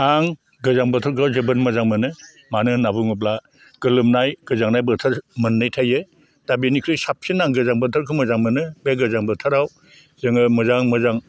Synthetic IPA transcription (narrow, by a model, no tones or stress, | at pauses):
aŋ | ɡɯzaŋbɯtʰɯɾkʰɯawzebɯnmɯzaŋmɯnɯ | manɯnabuŋɯp̬̚la | ɡ̥ɯlɯmnajɡɯzaŋnajbɯɾtʰɯɾmɯnːɯjtʰajɯ | dabinikʰɾɯjsap̚sinːaŋɡɯzaŋbɯtʰɯɾkʰɯmɯzaŋmɯnɯbeɡɯzaŋbɯtʰɯɾaw | zɯŋɯmɯzaŋmɯzaŋ